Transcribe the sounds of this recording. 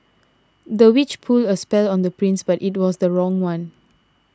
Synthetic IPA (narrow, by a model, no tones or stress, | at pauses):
dəwit͡ʃpʰuldəspɛlɔ̃ndəpɹĩnsbatit̚wɔsdəɹɔ̃ŋwãn